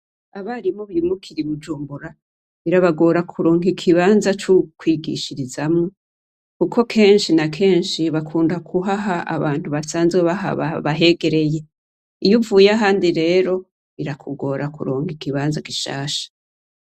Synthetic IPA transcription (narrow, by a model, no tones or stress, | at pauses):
aβaɾimoβiɾimukʰiɾiβud͡ʒuːmbuɾa | iɾaβaɡo̞ːɾakʰuɾoːŋikʰiβanzat͡ʃukʰwiːɡḭʃiɾizamŋo | kuko̞kʰe̞ːnʃinakʰe̞ːnʃiβakʰuːndakʰuɦaɦaʔa̰βaːnhuβasaːnzɡeβaɦa̰βa̰βaɦe̞ɡe̞ɾe̞je̞ | ijuvujaɦaːndiɾe̞ːɾo̞ | iɾakʰuɡo̞ːɾʔakṵɾoːŋikiβaːnzaɡiʃa̰ːʃḁ